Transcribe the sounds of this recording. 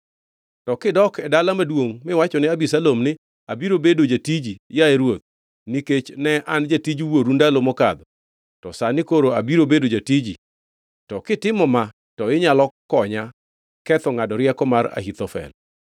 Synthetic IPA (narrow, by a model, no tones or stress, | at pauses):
tɔkɪdɔkɛdalamadwoŋmɪwat͡ʃɔnɪabisalomnɪ | abiɾobedod͡ʒatid͡ʒijaeɾwot̪̚ | niket͡ʃnɛand͡ʒatid͡ʒwoɾundalomɔkad̪ɔ | tɔsanɪkoɾoabiɾobedod͡ʒatid͡ʒḭ | tɔkɪtɪmɔma | tɔɪɲalɔkɔɲa | kɛt̪ɔŋadɔɾjɛkɔmaɾa̰hit̪ɔfɛ̰l